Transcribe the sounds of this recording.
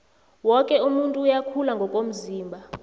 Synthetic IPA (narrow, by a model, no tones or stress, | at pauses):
wɔkʼɛumuntʼuːjakʰulaŋɡʱɔkʼom̩ziːmbʱa